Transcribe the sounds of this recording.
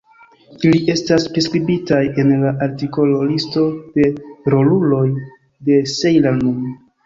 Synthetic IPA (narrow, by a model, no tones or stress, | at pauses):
iliʔe̞staspɾeskɾibitaje̞nlaʔaɾtiko̞lolisto̞d̥e̞ɾo̞lulo̞j | de̞sejlanum